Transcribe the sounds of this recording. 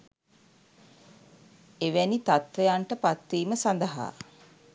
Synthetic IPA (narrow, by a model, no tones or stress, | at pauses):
eʋænit̪at̪ʋejaɳʈəpat̪ʋiːməsand̪əɦa̰ː